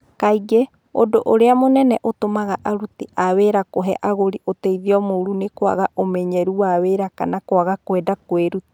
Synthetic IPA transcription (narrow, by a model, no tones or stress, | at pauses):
kaiɡɛ | odoʔoɾeamonɛnɛʔot̪omaɣaʔaɾutiʔaβeɾakoɦɛʔaɣoɾiʔoteiðiɔmouɾunekoa̰ɣaʔomɛɲɛɾuaβeɾaka̰nakoaɣakowɛdakweɾuti̥